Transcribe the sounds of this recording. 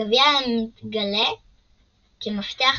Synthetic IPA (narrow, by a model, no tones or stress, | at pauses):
aviamit̪ɡale | kemaft̪eaχ